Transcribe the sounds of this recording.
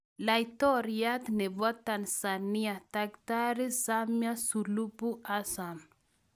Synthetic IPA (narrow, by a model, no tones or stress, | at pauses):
lajt̪ɔɾat̪nɛbɔt̪ːansaniat̪akt̪aɾisamjasulupuʔasam